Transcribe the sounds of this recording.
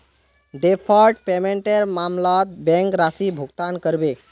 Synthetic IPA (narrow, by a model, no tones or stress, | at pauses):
ɖepʰɔlʈpemẽɳʈeɾmamlat̪̚bɛ̃ŋkɾasibʱuɡt̪ankəɾbe